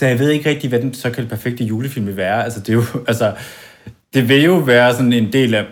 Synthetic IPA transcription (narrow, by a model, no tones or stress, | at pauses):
sɒjaʋe̝ð̞̰ˠe̝ɡ̥əʁɡ̥̚d̥iʋæd̥en̥sɒ̽kʰæd̥e̝pʰæɐfeɡ̥̚d̥əjuːləfil̰mʋeʋæːɐælsəd̥e̝jo̝ælsə | d̥e̝ʋe̝jo̝ʋæːɐsɒ̽ne̝nd̥e̝̰ːlæ